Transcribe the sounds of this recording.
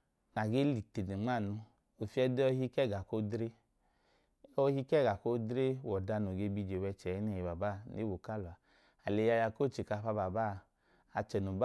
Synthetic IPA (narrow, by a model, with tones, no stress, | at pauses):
na˨ɡe˦li˨te˨ne˨ŋ͡ma˦˨nu˧ | o˨fi˦ɛ˧de˦ɔ˧˦hi˦˧kɛ˦˨ɡa˨ko˦dɾe˦ | ɔ˧hi˦kɛ˦˨ɡa˨ko˦dɾe˦wɔ˨da˧no˨ɡe˧bi˧d͡ʒe˨wɛ˧t͡ʃɛ˨jɛ˦nɛ˨ji˨ba˨ba˦˨ne˦wo˨ka˦˨lɔ˨a˨ | a˨le˨ja˧ja˧ko˦˨t͡ʃi˨ka˧ɸa˧ba˨ba˦˨ | a˧t͡ʃɛ˨nu˨b